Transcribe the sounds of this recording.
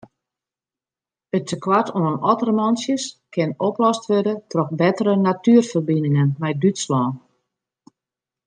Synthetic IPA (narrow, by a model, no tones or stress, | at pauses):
əttəkwatʰoənɔtərmɔnsjəskɪnoplɔstʋødətrɔxbɛtərənatyərfərbinɪŋənmɛjdytslɔːn